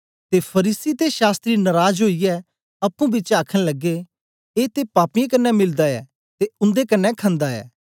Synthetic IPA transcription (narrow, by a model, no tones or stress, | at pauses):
t̪epʰɐɾiːsit̪eʃaːst̪ɾinɐɾaːd͡ʒɦoːijɛ | ɐpːũbɪt͡ʃaːkʰə̃ñləɡe | eːt̪epaːpɪjẽkɐnːɛmɪld̪aɛ̰ː | t̪eʊ̃nd̪ekɐnːɛkʰɐ̃nd̪aɛ̰ː